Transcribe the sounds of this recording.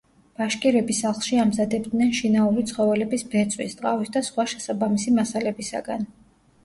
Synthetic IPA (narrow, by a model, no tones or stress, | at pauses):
b̥aʃkʼiɾɛbisaχlˠʃiamzad̪ɛb̚d̪nɛnʃinauɾit̪sʰχɔvɛlɛbisbɛt̪sʼwḭst̪ʼqʼavisd̪asχwaʃɛsabamisimasalɛbisa̰ɡa̰n